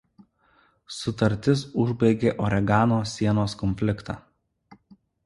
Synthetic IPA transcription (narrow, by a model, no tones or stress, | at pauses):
sʊt̪ɐɾʲt̪ʲɪsʊʒʲbɐɪɡʲeːʔɔɾʲɛɡɑːnoːsʲiɛnoːskɔnʲfʲlʲɪkt̪ɑ̰ː